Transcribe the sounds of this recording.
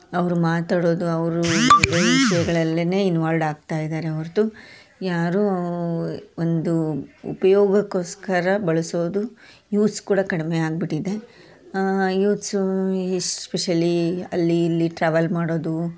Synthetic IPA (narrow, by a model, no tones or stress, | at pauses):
ɐʋɐɾumaːt̪aːɽo̞ːd̪uɐʋɐɾuɐbɐʋiʂɐjɛɡɐɭɐlːine̞ːinʋaːlɖaːɡ̚t̪aːjid̪aːɾeɐʋɐɾt̪u | jaːɾu | ond̪uṵpɐjɔːɡɐkːoːskɐɾɐbɐɭɐsoːd̪u | juːtskuːɽɐkɐɽimeaːɡ̚biʈid̪e̞ | juːt̪su | speʃɐliɐ̰lːiːlːiʈɾaːʋɐlmaːɽo̞ːd̪u